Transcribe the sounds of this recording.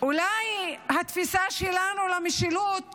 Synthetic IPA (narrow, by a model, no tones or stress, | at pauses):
ʔulajhat̪fisaʃelanulamiʃilut̪̚